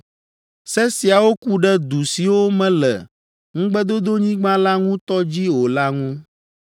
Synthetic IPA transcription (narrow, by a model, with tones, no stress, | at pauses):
sɛ˦si˨a˨wo˦ku˦ɖɛ˦d̪u˨si˨wo˦mɛ̃˦lɛ̰˨ | ŋũ˦ɡ͡bɛ˦d̪o˦d̪o˦ɲĩ˦ɡ͡bã˦la˦ŋũ˦t̪ɔ˦d͡ʑi˦wo˨la˦ŋũ˦